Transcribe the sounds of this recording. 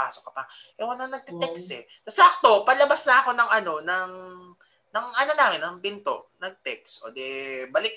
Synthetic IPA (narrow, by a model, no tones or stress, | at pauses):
aːsokɐpɐ | ʔɛwɐnɐnɐɡ̚t̪ɛt̪ɛksɛ | t̪ɐsɐʔɐk̚t̪o̞pɐlɐbasnɐʔɐko̞nɐŋʔɐno̞nɐŋ | nɐŋʔɐnɐnaːmɪnɐŋbɪnt̪o̰ʔnɐɡ̚t̪ɛk̚sʔoːd̪ɛbɐlɪk̚